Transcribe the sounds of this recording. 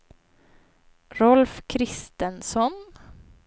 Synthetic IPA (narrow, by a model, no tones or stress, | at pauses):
ɾɔlfkʰɾɪst̪ənsɔn